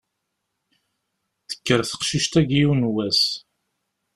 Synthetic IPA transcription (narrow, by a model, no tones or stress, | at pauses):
θə̥kːəɾθə̥qʃiʃt̪æɡiunwæs